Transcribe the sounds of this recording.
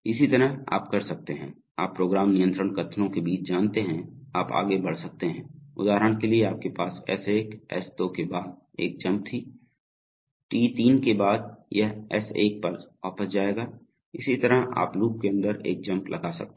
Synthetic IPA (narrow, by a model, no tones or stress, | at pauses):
ɪsit̪ɐɾəɦa̰ːpkɐɾsɐk̚t̪eɦɛ̰̃ː | aːpːɾoːɡɾaːmnɪjə̃nt̪ɾəɳkɐt̪ʰnõkebiːt͡ʃd͡ʒaːnt̪eɦɛ̃aːpa̰ːɡebɐɽ̤sɐk̚t̪eɦɛ̃ːʊ̰d̪aːɦɾəɽ̃kelieaːp̚kepaːsɛ̰seːkɛ̰sd̪oːkebaːd̪̚ | eːk̚d͡ʒɐ̃mp̚t̪ʰiː | ʈiːt̪iːnkebaːd̪jɐɦɛ̰seːk̚pɐɾaːfəsd͡ʒaːeːɡaː | ɪsit̪ɐɾəɦa̰ːpluːp̚keɐ̃nd̪əɾḛːk̚d͡ʒɐ̃mplʔɐɡasɐ̰k̚t̪ː